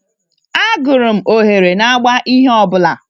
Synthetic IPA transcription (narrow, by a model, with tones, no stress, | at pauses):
a˦ɡʊ˨ɾʊ˨m̩˨o˨ɦe˨ɾe˨na˦a˦ɡ͡ba˦ʔi˦ɦe˦ɔ˨bʊ˨la˨